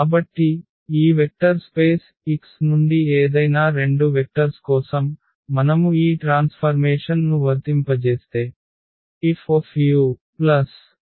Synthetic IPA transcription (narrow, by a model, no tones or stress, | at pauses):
kaːbɐʈːi | iːʋek̚ʈɐɾspe̞ːs | iksnuɳɖieːd̪ɐjnaːɾe̞ɳɖuʋek̚ʈɐɾskɔːsɐmː | ɐnɐmuiːʈɾaːnspʰɐɾmeːʂɐnnuʋɐɾt̪impɐt͡ʃeːst̪e̞ː | ipʰopʰjuːplɐs